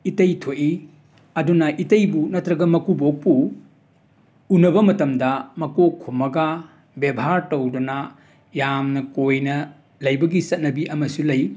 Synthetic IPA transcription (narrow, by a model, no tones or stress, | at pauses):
itɐjtʰoʔi | ɐdunɐʔitɐjbunɐtɾɐɡɐmɐkubok̚pu | unɐbɐmɐtɐmdɐmɐkokʰumːɐɡɐ | bebʱaɾtɐwdɔnɐ | jamnɐkojnɐ | lɐjbɐɡisɐt̚nɐbiʔɐmɐsulɐj